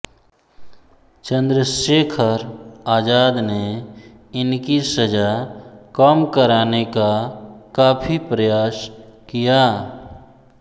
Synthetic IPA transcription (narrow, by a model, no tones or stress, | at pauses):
t͡ʃə̃nd̪ɾəseːkʰəɾaːd͡ʒaːd̪ne | ɪnkisəd͡ʒakəmkəɾaːnekakaːpʰipɾəjaːskijaː